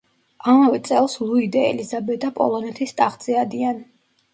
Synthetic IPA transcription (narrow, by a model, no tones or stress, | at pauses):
amavɛt̪sʼɛlˠslˠuid̪aɛ̰lizabɛd̪apʼɔ̰lˠɔnɛt̪ʰist̪ʼaχd̪z̥ɛad̪ian